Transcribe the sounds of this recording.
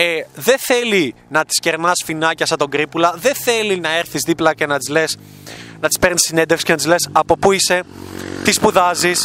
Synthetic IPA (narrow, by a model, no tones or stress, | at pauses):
eðe̞θe̞linɐt̪i̥sce̞ɾnɐsfinɐcɐsɐt̪o̞ɡɾipulɐðe̞θe̞linɐe̞ɾθizðiplɐce̞nɐt̪izle̞s | nɐt̪i̥spe̞ɾnisine̞nd̪efsi̥scenɐt̪izlesɐpo̞puise̞t̪ispuðɐzis